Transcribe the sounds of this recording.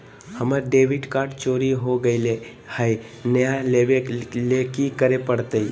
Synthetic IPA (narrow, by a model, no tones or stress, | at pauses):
həməɾɖeʋɪɖkaːɾʈt͡ʃoːɾiɦoɡəɪle | həj | nəjaleʋelekikəɾepəɽt̪əi